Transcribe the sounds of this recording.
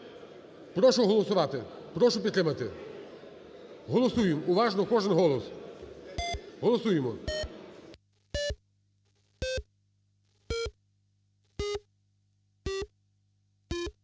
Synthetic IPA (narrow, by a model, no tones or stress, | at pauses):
pɾɔʃʊɦɔlˠɔsʊʋɑt̪ɪ | pɾɔʃʊpʲt̪ɾɪmɐt̪ɪ | ɦɔlˠɔsujemuʋɑʒnɔkɔʒɛnɦɔlˠɔs | ɦɔlˠɔsujemɔ